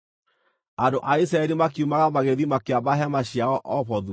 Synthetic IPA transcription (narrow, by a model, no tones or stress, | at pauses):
andoʔais̬ɾaɛɾimakiumaɣamaɣeðimakeabaɦɛmaɕjaɔʔɔβɔðu